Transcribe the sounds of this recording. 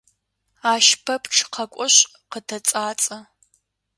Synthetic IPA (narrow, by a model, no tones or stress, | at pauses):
aːʃpʰɐpʰʈ͡ʂʰqʰɐkʷʼɔɕʼ | qətʰɐt͡sʼaːt͡sʼɐ